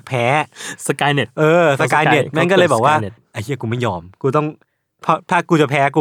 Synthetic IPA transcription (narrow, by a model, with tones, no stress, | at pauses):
pʰɛː˨˦˥sa˧kaː˧jne˨˩t̪ʔɤː˧sa˧kaː˧jne˨˩na˥˩nkɔ˥˩lɤː˧bɛː˨˩k̚waː˥˩˨ʔa˧˩t͡ɕʰi˥˩˨kuː˧ma˥˩jɔː˧mkuː˧t̪ɔ˥˩ŋ | pʰɔ˦˥t̪ʰaː˥˩kuː˧t͡ɕa˨˩pʰɛː˨˦˥kuː˧